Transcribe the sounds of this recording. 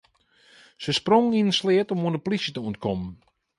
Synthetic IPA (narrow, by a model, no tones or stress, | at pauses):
səsproŋinənslɪətɔmoəndəplisjətəuənt̚kʰɔmən